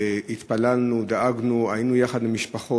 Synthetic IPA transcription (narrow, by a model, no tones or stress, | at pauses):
it̪palalnud̪aʔaɡnuajinujaχad̪mimiʃpaχo